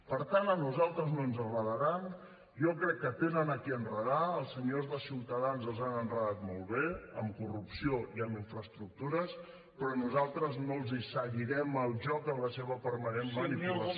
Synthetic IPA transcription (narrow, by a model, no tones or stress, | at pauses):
pəɾt̪anənuzalˠt̪ɾəznoənzəɣɾəðəɾan | jɔkɾɛkːət̪enənəkiənrəðaəlˠsːəɲozðəsiwt̪əðanzəlˠzanənrəðat̪mɔlˠβ̞eə̰mkurupsioiəmbiɱfɾəst̪ɾuk̚t̪uɾəs | pɾɔnuzalˠt̪ɾəznolˠzisəɣiɾɛməlˠʒɔkələseβ̞əpəɾmənenməniullə